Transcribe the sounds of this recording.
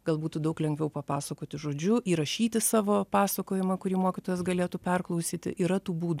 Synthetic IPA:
ɡ̥ɐlˠbuːt̪ud̪ɐʊklʲɛŋɡʋʲɛʊpɐpɑːsɐkoːt̪ʲɪʒoːd͡ʒʲʊʔiːɾɐʃʲiːt̪ʲɪsɑːʋoːpɑːsɐkoːjɪmɐkʊɾʲiːmoːkʲɪt̪oːjɛsɡɐlʲeːt̪uːpʲɛrklˠɐʊsʲiːt̪ʲɪ̰ʔiːɾɐt̪uːbuːd̪

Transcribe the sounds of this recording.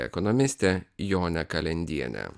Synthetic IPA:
ɛ̰kɔnɔmʲɪsʲt̪ʲɛjoːnʲɛkɐlʲɛnʲd̪ʲiɛnʲɛ̰

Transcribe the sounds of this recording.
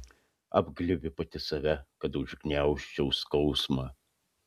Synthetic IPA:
ɐ̰bɡlʲɪbʲɪpɐt̪ʲɪsɐʋʲɛkɐt̪ʊʒɡnʲæˑʊʃʲt͡ʃʲɛʊskɐʊsmɑ

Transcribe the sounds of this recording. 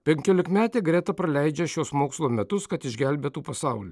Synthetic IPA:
pʲɛŋʲkʲoːlʲɪkmʲæːt̪ʲeːɡɾʲɛt̪ɐpɾɐlʲæɪd͡ʒʲɛʃʲoːsmoːkslˠoːmʲɛt̪ʊskɐt̪ɪʒʲɡʲælʲbʲeːt̪uːpɐsɑʊlʲḭː

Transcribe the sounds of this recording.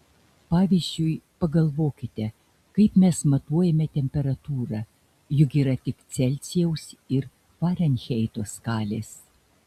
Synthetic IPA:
pɑːʋʲiːzʲd͡ʒʲʊɪpɐɡɐlˠʋoːkʲɪt̪ʲɛ | kɐɪpmʲɛsmɐt̪uɔjɛmʲɛt̪ʲɛmʲpʲɛɾɐt̪uːɾɑ | jʊkʲiːɾɐt̪ʲɪkt̪sʲɛlʲt̪sʲɪjɛʊsɪɾ | pɑːɾʲɐnʲxʲeɛɪt̪oːskɑːlʲeːs

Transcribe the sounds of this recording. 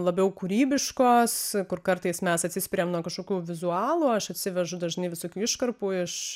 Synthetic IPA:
lˠɐbʲɛʊkuːɾʲiːbʲɪʃkoːskʊrkɐrt̪ɐɪsmʲɛsɐt̪ʲsʲɪsʲpʲɪɾʲeːmnuɔkɐʃkoːkʲuːʋʲɪzuɑːlˠuːɐʃɐt̪ʲsʲɪʋʲɛʒʊd̪ɐʒnɐɪʋʲɪsoːkʲuːɪʃkɐrpuːɪʃ

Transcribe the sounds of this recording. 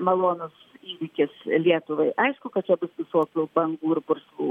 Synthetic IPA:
mɐlˠoːnʊsiːʋʲɪkʲɪslʲiɛt̪ʊʋɐɪʔɐɪʃkʊkɐt̚t͡ʃʲɛbʊsʋʲɪsoːkʲubɐŋɡuːɪrpʊrslˠuː

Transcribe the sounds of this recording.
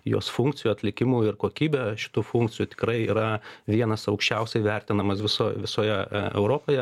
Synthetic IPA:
jo̰ːsfuŋk̚t͡ssʲɪjuɐt̪ʲlʲɪkʲɪmuɪrkoːkʲiːbʲɛʃʲɪ̥t̪uːfuŋkt͡s̪ʲɪjut̪ʲɪ̥kɾɐɪiːɾɐʋʲiɛnɐsɐʊkʃʲt͡ʃʲɛʊsʲɛɪʋʲɛrʲt̪ʲɪnɐmɐsʋʲɪsoːjʋʲɪsoːjɛɛ̰ʊɾoːpoːjɛ

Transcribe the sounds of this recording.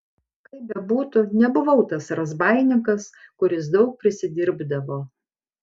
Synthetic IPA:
kɐɪpbʲɛbuːt̪ʊnʲɛbʊʋɐʊt̪ɐsɾɐzbɑɪnʲɪŋkɐskʊɾʲɪs̬d̪ɒʊk̚pʲɾʲɪsʲɪd̪ʲɪɾʲbd̪ɐʋoː

